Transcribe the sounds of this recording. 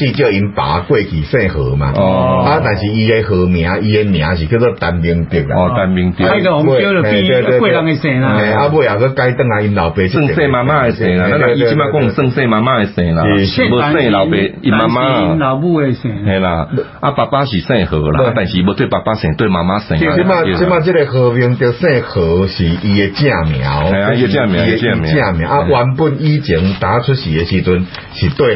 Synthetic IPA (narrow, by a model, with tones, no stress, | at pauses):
t͡ɕi˥˧t͡ɕjə˥˧i˧npa̰˨˦kwe˥˧˨kʰi˨˩sẽ˥˧˨həː˨˦mã̰˨ɔ˨˧a˦t̪a˨˩nɕi˨i˧e˧hə˨˦mj̃ã˨˦i˧e˧mj̃ã˨˦ɕ̬i˨k̪jo˧˦t͡sə˦˧t̪a˧nbi˧ŋt̪i˧˩k̚a̰˨ɔ˨t̪a˧nbi˧ŋt̪jə˧ɔ˨o˦lə˧kwe˥˧˨la˧ŋe˧sɛ̃˨˦la˧ẽ˨a˦bo˧ja˨˩kə˦ka˦jt̪ə˥˧˨ŋa˧i˧nla˨˩ʊpe˧˦sʰɨ˥˧ŋ˨sẽ˧˨mã˧mã˦e˧sɛ̃˨˦la˨nã˦nã˨˧˨i˧t͡ɕi˦mã˧kwɔ˥˧˨ŋ˧˨sə˥˧ŋsẽ˥˧˨mã˧mã˦e˧sɛ̃˨˩la˨˧bə˧sẽ˥˧˨la˨˦pe˧˦i˧mã˧ma˦˧la˨˦bu˥˧e˧sɛ̃˨˦hẽ˧˦la˧ʔa˦pa˨˩pa˦ɕi˨˩sɛ̃˥˧˨hə˨˦la̰˨˧˨a˦t̪a˥˧nɕi˨˧bə˧t̪we˥˨pa˨˩pa˦sɛ̃˨˦t̪we˥˧˨mã˧mã˦sɛ̰̃˨˧˦i˧mã˥˧˨i˧mã˧t͡ɕi˦ɾe˨˧hə˧˦bi˧˦ŋt̪jə˧˩sẽ˥˧˨hə˨˦ɕi˨i˧e˨˧t͡ɕjã˥˧˨mja̰˨˦whẽ˧a˧e˨˧t͡ɕjã˥˧˨mjã˨˦˧t͡ɕjã˧˨mjã˨jã˥˧˨mjã̰˨˦a˦˧wa˧˦npu˥˧ni˦t͡ɕi˨˦ŋt̪a˨˦t͡sʰʊ˦ɕi˨e˨ɕi˧t͡su˧n | ɕi˨t̪we˥˧˨